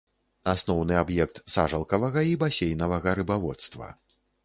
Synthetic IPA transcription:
asnɔwnɨabjɛkt̪saʐɐlˠkɐvɐɣɐibasʲejn̪ɐvɐɣɐɾɨbavɔt̪st̪vɐ̰

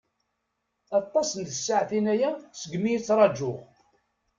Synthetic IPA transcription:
ɑt̪ˤːɑsənd̪əsːaʕθinæjæsəɡmijit͡sːɾˤɑd͡ʒːʊʁ

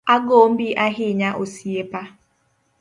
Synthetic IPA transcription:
aɡom̩biʔaɦɪɲaʔosiepa

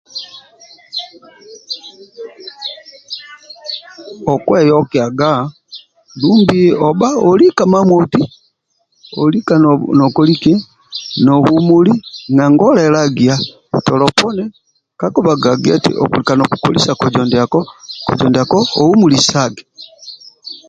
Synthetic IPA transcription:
ɔkwɛjɔkɛaɡa | dumbiɔbaɔlikamamwɔti | ɔ̰likannɔkɔlikɛ | nɔβumuliŋaŋɡɔlaɛlaɡia | tɔlɔpɔnɛ | kakɔbaɡaɡiɛ̰tḭʔɔ̰kulikanɔkukɔlisakɔd͡ʒɔndakɔkɔ̰d͡ʒɔndakɔɔumulisaɡɛ

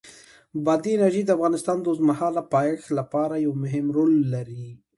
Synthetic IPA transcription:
bɑd̪iɪnaɾʒejd̪əafɣɑnɪst̪ɑnd̪ozmahɑlapɑjxlapɑɾajawmʊɦɪmɾolːaɾi

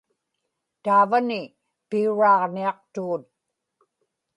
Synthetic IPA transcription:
t̪aːvanɪ | piuɻɑːʁniɑq̚t̪uːt̪̚

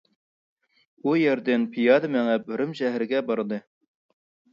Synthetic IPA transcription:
ujɛɾd̪ɪnpʰijɑːd̪ɨmɛŋɛbyɾɪmʃɛɦɾɪɡʲɛbɑɾɨd̪ɨ

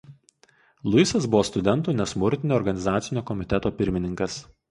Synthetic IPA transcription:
lˠʊɪsɐsbʊʋoːst̪ʊd̪ʲɛnˑt̪uːnʲɛsmʊɾʲt̪ʲɪnʲoːɾɡɐnʲɪzɑːt̪sʲɪnʲoːkɔmʲɪt̪ʲɛt̪oːpʲɪɾʲmʲɪnʲɪŋkɐs

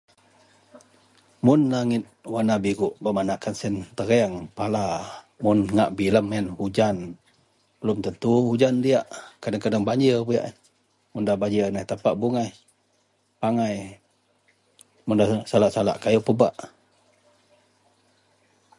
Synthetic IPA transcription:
mʊnlaŋɪt̪̚wanabiɡuʔbəmanakansɛnt̪əɾeaŋpala | mʊnŋaʔbiləmənhud͡ʒan | b̥əlumt̪ənt̪uhud͡ʒandiaʔkadaŋkadaŋbaɲd͡ʒəbəjaʔn | mundahbaɲd͡ʒənaht̪apaʔbuŋaj | paŋaj | mundasalaʔsala̰ʔkajupəbaʔ

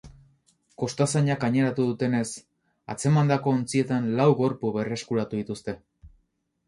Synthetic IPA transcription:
ko̞st̪asaɲakaɲe̞ɾat̪uðut̪e̞ne̞s | a̰t͡se̞mand̪ako̞ːnt͡sie̞t̪anlawɣo̞ɾpuβe̞re̞skuɾat̪uðit̪ust̪e̞

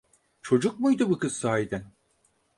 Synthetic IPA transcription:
t͡ʃʰo̞d͡ʒuk̚mujd̪ɯbukɯz̥t̪aajd̪æn

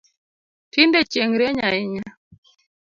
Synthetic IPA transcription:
tindɛt͡ʃeŋɾɛɲaɪɲa

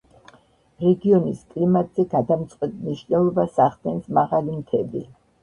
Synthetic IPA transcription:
ɾɛɡiɔniskʼlimad̪z̥ɛɡad̪amt̪sʼqʼwɛt̪niʃnɛlˠɔbasaχd̪ɛnsmaʁalimt̪ʰɛbi

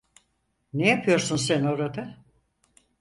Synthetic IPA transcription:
nejapʰɯjo̞ɾsunsæno̞ɾad̪a

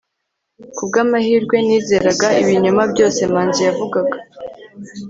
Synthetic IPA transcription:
kub̚ɡaːmahiːɾɡwe̞niːze̞ːɾaɡaiβiɲamabɟo̞ːse̞maːnzujavuɡaɡa

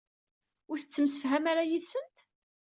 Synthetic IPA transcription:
ʊɾθət͡sːəmsəfɦæmaɾajiðsənt̪

